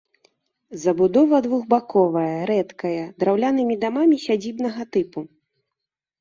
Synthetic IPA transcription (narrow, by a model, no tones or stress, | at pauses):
zɐbud̪ɔvɐd̪vuɣbakɔvɐjɐɾɛt̪kɐjɐd̪ɾawlʲanɨmʲid̪amamʲisʲad͡zʲibn̪ɐɣɐt̪ɨpu